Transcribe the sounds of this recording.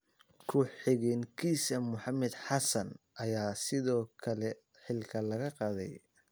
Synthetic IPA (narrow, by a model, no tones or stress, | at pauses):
kʰʊħɪɣɛːŋkʰiːsɐmʊħɑmɛd̪ħɑsɐn | ʔɐjaːsɪðɔːkʰɐlɛ | ħɪlkʰɐlɐɣɐqɑːðɛ̰j